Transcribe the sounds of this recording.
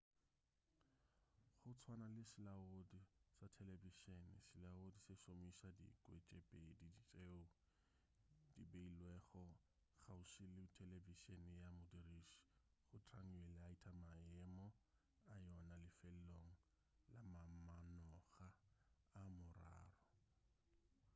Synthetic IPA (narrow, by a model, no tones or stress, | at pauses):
χʊt͡sʰwanalɪsɪlaodisatʰɛleviʃenɪsɪlaodisɪʃomisadḭkʼwet͡ʃʼepʼedidit͡ʃʼeʊ | dibeilwɛχɔ | χaʊʃɪlɪtʰeleviʃenjamʊdiriʃ | χʊtraŋɛlaitʰʼamaɛmɔ | ajɔnalɪfel̩loŋ̩ | lamamanɔɣaː | mʊra̰ːrɔ